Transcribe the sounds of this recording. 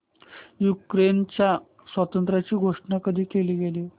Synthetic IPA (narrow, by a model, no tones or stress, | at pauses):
jukɾent͡ɕja | sʋat̪ənt̪ɾat͡ɕiːɡʱoʂʈɳakəd̪ʱiːkeliːɡeliː